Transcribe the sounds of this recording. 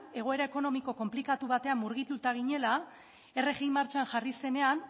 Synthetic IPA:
e̞ɣ̞o̞e̞ɾae̞ko̞no̞miko̞ko̞mplikat̪uβat̪e̞amːuɾɣ̞it̪ut̪aɣ̞iɲe̞la | e̞re̞ɣijmːaɾt͡ʃanʝarise̞ne̞an

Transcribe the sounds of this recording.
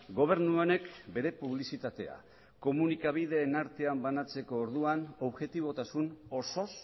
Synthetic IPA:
ɡo̞β̞e̞ɾnuone̞kbe̞ɾe̞puβ̞lisit̪at̪e̞a̰ | ko̞munikaβ̞ið̞e̞ːnaɾt̪e̞ambanat͡se̞ko̞ːɾðuanoβʝe̞t̪iβ̞o̞t̪asuno̞so̞s

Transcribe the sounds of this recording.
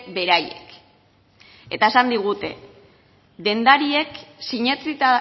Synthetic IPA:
be̞ɾajḛk | e̞t̪aesand̪iɣ̞ut̪e̞ | ðe̞nd̪aɾie̞ksiɲet͡sit̪a

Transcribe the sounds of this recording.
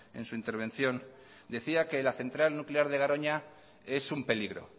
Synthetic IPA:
e̞̰nsuint̪eɾβ̞e̞nθjo̞n | d̪e̞θiake̞laθe̞nt̪ɾalnukleaɾð̞e̞ɣaɾo̞ɲa | e̞sumpe̞liɣ̞ɾo̞̰

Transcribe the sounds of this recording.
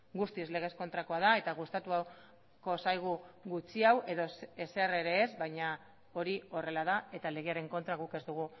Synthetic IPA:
ɡust̪izle̞ɣ̞e̞sko̞nt̪ɾako̞að̞ae̞t̪aɣ̞ust̪at̪ua | ko̞sajɣ̞uɣut͡siawʔe̞ðo̞se̞se̞re̞ɾe̞ːzβajɲa | o̞ɾio̞re̞lað̞ae̞t̪ale̞ɣeaɾe̞ŋko̞nt̪ɾaɣuke̞zd̪uɣ̞u

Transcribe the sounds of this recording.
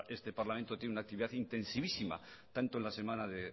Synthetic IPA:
e̞st̪e̞paɾlament̪ojenunak̚t̪iβiðaθint̪e̞nsiβisima̰t̪ant̪onlase̞mãnaðe

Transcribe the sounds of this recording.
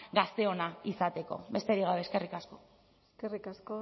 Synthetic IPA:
ɡast̪e̞o̞naisat̪e̞ko̞̰be̞st̪e̞ɾiɣawe̞ːske̞rikasko̞̥ | eskerikasko

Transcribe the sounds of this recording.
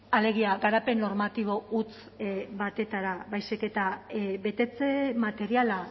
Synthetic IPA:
ale̞ɣ̞iaɣaɾape̞nːo̞ɾmat̪iβ̞o̞ut͡s | βat̪e̞t̪aɾaβajsike̞t̪aβe̞t̪e̞t͡se̞mat̪e̞ɾiala

